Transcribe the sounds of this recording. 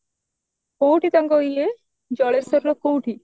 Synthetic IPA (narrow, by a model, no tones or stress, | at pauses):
kowʈit̪aŋɡɔie | d͡ʒɔɭesɔɾlɔkowʈi